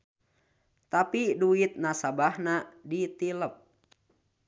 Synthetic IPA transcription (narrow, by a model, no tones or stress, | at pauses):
t̪apiduit̪̚nasabahnadit̪iləp̚